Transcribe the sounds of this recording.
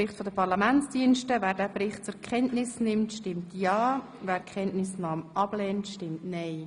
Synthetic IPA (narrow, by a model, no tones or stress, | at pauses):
ɪχtfɔdəpʰɑɾlɑmænt͡sd̥iənʃtəvæːɾdæːbɾɪχt̚t͡sʊɾkχɛntnɪsnɪmtʃtɪmtjɑː | væːɾkχɛntnɪsnɑːmʔɑb̥lɛːntʃtɪmtnɛɪ